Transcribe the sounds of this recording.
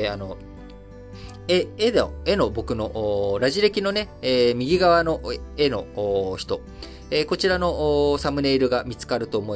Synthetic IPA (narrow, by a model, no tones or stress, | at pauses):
ano̞ | eed̪e̞no̞bo̞kɯ̟no̞ʔoːɾaʑiɾe̞kʲino̞ne̞eːmʲiɡʲiɡaβano̞ʔe̞no̞ːçi̥t̪o̞ | eko̞t͡ɕiɾano̞ʔːsamɯ̟ne̞iɾɯ̟ɡamʲit͡sɨ̥kaɾɯ̟t̪o̞ːmo̞i